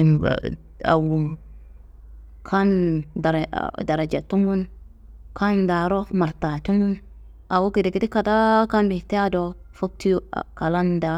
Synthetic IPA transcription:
na̰ | a̰˨wu˨m | kʰa˦nda˨ɾda˨ɾa˨d͡ʒa˨tu˦ŋɡu˦n | kʰa˦nda˨ɾo˦ma˨ɾta˨tu˦ŋɡu˦n | a˨wu˦ɡi˨de˨ɡi˦di˦ka˨da˦ka˦nbi˨te˦a˦do˨fo˦k̚tḭ˦ka˨la˦nda˨

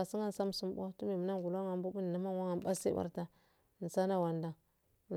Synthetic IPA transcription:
a˨si˦ŋa˦n˨sa˦m˨su˦mbo˦tu˦mi˨mu˨na˦ŋɡu˨la˦ŋa˨mbu˦bu˦n˨na˦ma˦ŋ˦wa˦ŋa˨mɓa˦sḭ˦ba̰˦ɾta˦˨ | n˨sa˦na˦wa˨nda˨ŋ˨

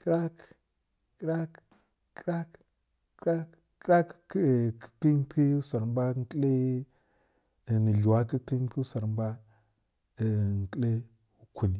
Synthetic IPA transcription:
kɾa˦k | kɾa˦kː | ɾa˦kː | ɾa˦k | kɾa˦kkə̥˦ki˦n˦ti˦sa˨ɾm˦ba˦ŋ˦kə˦le˦˨ | nə˨ɮu˨wa˦kə˦kli˦n˦ki˦sa˨ɾm˦ba˦˨ | ŋ˨ki˦le˦ | wu˦ku˨ni˨

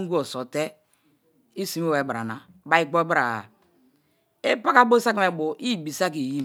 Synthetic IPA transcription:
ŋ˦ɡu˦o˨so˨te˦ | i˦si˨me˦we˨ba˨ɾa̰˨na˨ba˦i˦ɡ͡bo˦ba˦ɾa˨a˨ | e˦pa˦ka˦bo˦sa˦kme˨bo˨ʔi˦˨bi˨sa˦k̬i˨ji˦

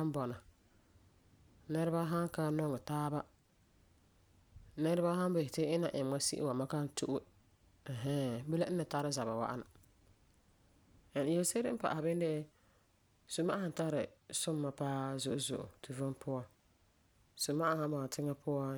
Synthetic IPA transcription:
a˦m˦bɔ˨na˨ | nɛ˦ɾa˦ba˦ɦa˦ŋka˦nɔ˦ŋɪ˨taː˦ba˦ | nɛ˦ɾa˦ba˦ɦã˦n˦be˨hɪ˨tɪ˦ɪ˦na˨ʔɪ˨m˨˦a˦sḭ˦ʔɪ̰˦wa˨ma˦ka˦n˦tʰu˦ʔʊ˦ | ɛ˨ɦɛ˦be˦la˦nːɪ˨ta˦ɾɪ˦za˨ba˨wa̰˦ʔa̰˦na˨ | ɛ˨n˨jɛ˦lse˦ɾɪ˦pa̰˨ʔa˨bɪ˦n˦dɪ˦ | sʊ˨mːa˦a˦ha˦n˨ta˦ɾɪ˨sʊ˦mːa˨paː˦zʊ˨ʔʊ˨zʊ̰˨ʔʊ̰˨tʰu˨vʊ˦npʰʊ˦ɔ˨ | sʊ˨mːa˦ʔa˦hã˦bɔ˨na˨tʰɪ˦ŋa˦pʰʊ˦ɔ˦

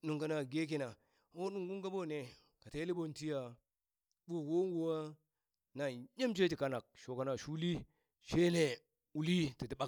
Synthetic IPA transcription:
nu˨ŋka˨na˨ɡe˦k̬i˨na˨˦ | o˦nu˨ŋɡu˦ŋka˦bo˦˨ne˨ | ka˨te˦li˦bo˦nti˦ja˨ | bo˦˨wo˦ŋɡu˨wa˦ | na˨ɲe˦mt͡ʃe˦ti˨ka˦na˨k̚ʃo˨ka˨na˨ʃu˦li˦ | ʃe˦ne˨ | u˨li˦ti˨ti˨ɓa˦

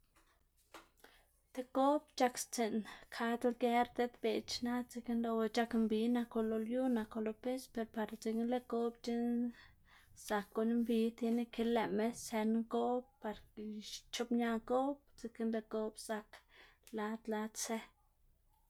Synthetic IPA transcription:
t̪e˧ko˦bt͡ʃa˧kst͡se˨nkʰa˧d̪a˧ɡe˦ɾt̪e˦d̪be˨t͡ʃna˦t͡si˧ki˦nlo˧we˧t͡ʃa˧kmbi˨˦na˧ko˧lo˧lju˦na˧ko˧lo˧pe˦spe˧ɾpa˧ɾt͡si˧ki˦nle˦ɡo˦bt͡ʃi˦n | sa˨kːo˧ni˦mbi˧˦t̪je˧ne˧ke˧˦le˨me˦se˧nŋɡo˦bpa˧ɾ | t͡ʃo˦pɲa˧ɡo˦bt͡si˧ke˦nd̪e˧ɡo˦bsa˧k | la˧t̪la˧t̪t͡se˦

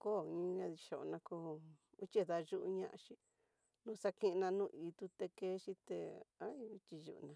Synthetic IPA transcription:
ko˦˨ĩ˦˧˦ɲã˧ði˧ʃo˨o˧nã˧ko˧ | u˦t͡ʃʲe˦˨ða˧ʒu˦ʔu˧ɲã̰˦ʔã̰˧ʃi˧ | nũ˦˧˦sa˦kĩ˦˧nã˧nũː˦˧ʔi˨t̪u˧t̪e˧ke˦ʃi˦t̪ḛ˧a˦i˧i˧t͡ʃi˧ʒṵ˧ʔnã˧

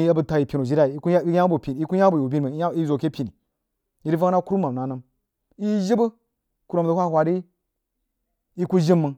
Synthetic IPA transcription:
i˦a˦bə˨ta˨ji˨pʲi˨no˨d͡ʒi˦ɾa˦i˨i˦ku˦a˦bu˨pʲi˨i˦ku˦ja˦bu˨u˨bʲi˦n˨mə˨˦i˦zo˨ke˦pʲi˨ni˨ | ji˦ɾi˦va˦na˦ku˦ɾu˦ma˨mna˨na˦m | i˦ʒi˦bə˦ | ku˨ɾo˨m˨də˨hʷa˦hwa˨ɾi˦ | i˦ku˦ʒi˦mːə˨ŋ

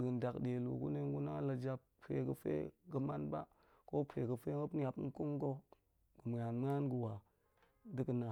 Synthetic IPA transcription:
də˨n˨da˨kɗe˨lṵ˨ɡṵ˦ne˦ŋ˦ɡu˦na˦la˨d͡ʒa˦p | pḛ˨ɡə˨fḛ˦ɡə˦ma˦nba̰˦ | ko˦pʰe˨ɡə˨fe˦ŋə˦pn˦ja˨pn˦ku˦ŋ˦ɡo˦ | ɡ̥ə˨m˨ja˨nm˦a˦nɡə˨wa˨ | dɨ˦kə˨na˨

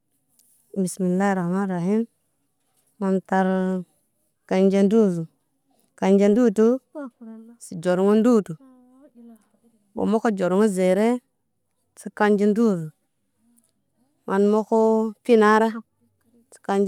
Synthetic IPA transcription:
mi˨smi˨nla˦ɾa˨ma˦ɾa˨hi˦n | ma˨nta˨ɾ | ka˨nd͡ʒe˦ndu˦˨zu˨ | ka˨nd͡ʒe˦ndu˦tu˦ | si˨d͡ʒo˨ɾŋu˦n˦du˦tu˨ | bo̰˨mo˦ko˦d͡ʒo˨ɾu˨˦ŋu˦ze˨ɾe˦ | si˦ka˦nd͡ʒi˦n˦du˦˨zu˨ | mʔa˨nmo˦ko˦pi˦na˦ɾa˦ | si̥˨ka˦nd͡ʒ

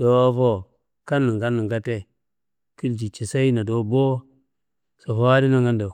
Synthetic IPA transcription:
d̥o˨˦fo˦ | ka˦nːi˨ŋɡa˦nːi˨ŋɡa˦te˦ | ki˦ld͡ʒi˨t͡ʃi˨sa˦i˦na˨do˨bo˦ | so˨fa˦di˦na˨ŋɡa˦nda˨

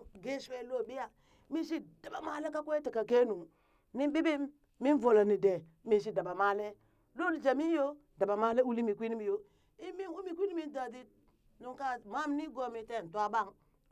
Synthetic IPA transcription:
ɡe˦se˨lo˦˨bi˦ja˨ | mi˦ʃ̬i˦da˨ba˨ma˨le˦ka˦kʷe˦ti˨ka˨ke˦nu˨ | ni˦bi˦bi˦m | mi˦n˦vo˨la˨ni˨de˨ | mi˦ns̬i˦da˨ba˨ma˦le˦ | lo˦li˨d͡ʒa˨mi˦jo˦ | da˨ba˨ma˦le˦u˦li˦mi˨kʷi˦ni˦mi˨jo˦ | i˦mi˦nwu˦mi˨kʷi˦ni˦mi˦n˦da˨di˦ | no˨ŋka˦ma˦m˦ni˦ɡo˦˨mi˨te˦˨n̩˨tu˦a˦ba˦ŋ

